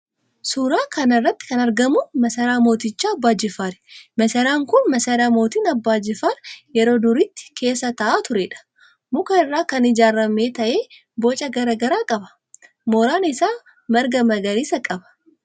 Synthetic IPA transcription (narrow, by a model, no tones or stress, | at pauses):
suːɾaːkʰɐnɐrːɐt̪ːɪ̥kɐnɐɾɡɐmʊmɐsɐɾaːmo̞ːt̪ɪt͡ʃːaːɐbːaːd͡ʒɪfaːɾmɐsɐɾaːŋkʊnmɐsɐɾaːmo̞ːt̪iːnɐbːaːd͡ʒɪfaːɾjɛɾo̞ːd̪ʊɾit̪ːɪ̥kʰe̞ːsːɐt̪ɐʔaːt̪ʊɾɛᶑɐ̥ | mʊkɐɪrːaːkɐnɪd͡ʒaːɾːɐmeːt̪ɐʔe̞ː | boːt͡ʃʼɐɡɐɾɐɡɐɾaːkʼɐbɐ̥ | moːɾaːnɪsaː | mɐɾɡɐmɐɡɐɾiːsɐkʼɐbɐ̥